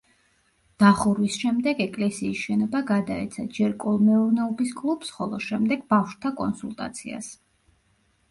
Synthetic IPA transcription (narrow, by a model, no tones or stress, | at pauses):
d̪̥aχuɾwisʃɛmd̪ɛɡɛkʼlɛsiːsʃɛnɔbaɡad̪aɛ̰t̪sʰad͡ʒɛɾkʼɔlˠmɛuɾnɛɔbiskʼlˠupsχɔlˠɔʃɛmd̪ɛɡ̚bafʃt̪ʰakʼɔ̰nsulˠt̪ʼa̰t̪sʰḭa̰s